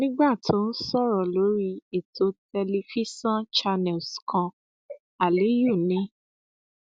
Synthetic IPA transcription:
nĩ˦ɡ͡ba˦˨tʰõ˨˦n̩˦sɔ˦˨ɾɔ˨lo˨˦ɾi˦e˨tʰo˧˦tɛ˧li˧fi˦sã˦t͡ʃa˧nɛ˨skʰã˧ | a˨le˨˦ju˦˨nĩ˨˦

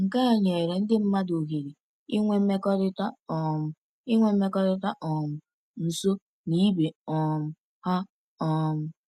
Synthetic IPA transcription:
ŋ̩˨ka˦a˨ɲ˨e˨ɪ˨ɾe˨n̩˦dɪ˦m̩˦ma˦do˨ɦe˨ɾi˨ | i˦ŋʷe˦m̩˦me˦kɔ˦ɾɪ˦ta˦ɔ˨m̩˨ | ɪ˦ŋʷe˦m̩˦me˦kɔ˦ɾɪ˦ta˦ʔɔ˨mʊ˨ | n̩˨so˦ | ni˦be˨ɔ˨m̩˨ | ha˦ | ɔ˨m̩˨

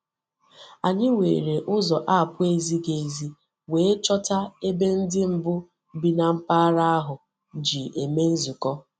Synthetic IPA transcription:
a˨ɲɪ˦wḛː˨ɾe˨ʔʊ˦zɔ˨ʔa˦a˨pʊ˦e˦zi˦ɡe˨zi˦ | weː˨e˦t͡ʃɔ˦ta˦e˦be˦n̩˦dɪ˦m̩˨bʊ˦ | bi˦na˨m̩˦pa˦ɾa˦a˦ɦʊ˨ | d͡ʒi˨e˨me˦n̩˦zu˨kɔ˦

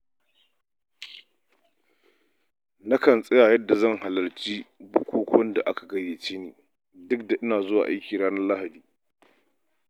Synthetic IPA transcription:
na˦kɐ˨nsʼɛ˦jaː˨jɐ˦dːa˨zɐ˦˨ŋha˨lɐ˨rt͡ʃiː˦bʊ˦kʷuː˦kʷɔ˦nda˨ʔa˦ka˨ɡɐ˦jeː˨t͡ʃeː˦neː˨ | dʊ˦k̚da˨ʔɪ˦naː˨zʊ˦wa̰ː˨ʔa˦jkʲiː˨ɽaː˦nɐ˦rla˦ha˨diː˨

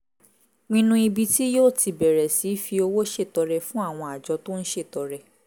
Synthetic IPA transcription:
nĩ˧nũ˧i˧bi˧ti˦joː˦˨ti˨bɛ˨ɾɛ˨si˨˦fi˧o˧wo˦ʃe˦˨tɔ˧ɾɛ˧fũ˦a˦˨w̃ɔ̃˧a˨d͡ʒɔ˨˧˦to˦n̩˦ʃe˦˨tɔ˨ɾɛ˧

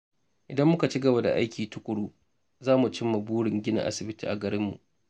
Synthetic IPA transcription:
ʔɪ˨dɐ˦mːʊ˦ka˨t͡ʃi˦ɡɐ˨ba˨da̰˨ʔa̰˦jkʲʰiː˨tʊ˦kʷʼʊ˨ɽuː˦ | zaː˦mu˨t͡ʃɪ˦mːa˨buː˦ɽɪ˨ŋɡʲɪ˦na̰˨ʔa̰˦sɪ˨bɪ˦tḭː˨ʔa˨ɡɐ˨ɾɪ˦mːṵ˨ʔ

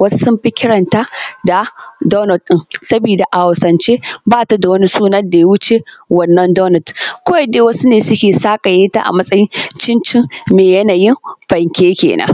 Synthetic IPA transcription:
wɐ˦su˦sʊ˦mɸi˦kʲɪ˦ɽɐ˨nta˦da˨dɔ˦nɐ˨tɗɪ˦ŋsɐ˦biː˨da˨ʔa˨ha˨sɐ˨nt͡ʃeː˦baː˦ta˦da˨wɐ˦ni˦suː˦nɐ˦rda˨ja˦wʊ˦t͡ʃe˦wɐ˦nːɐ˦ndɔː˦nɐ˨tkʷo˦a˦deː˦wɐ˦su˦neː˨sʊ˦kʲeː˨saː˦kʼa˨jeː˦ta̰˦ʔa̰˨mɐ˦sʼɐ˦jɪ˦nt͡ʃɪ˦nt͡ʃɪ˦ŋmeː˨jɐ˦naː˨jɪ˦mɸɐ˨ŋkʲeː˦kʲḛː˨nʔɐ̰˦

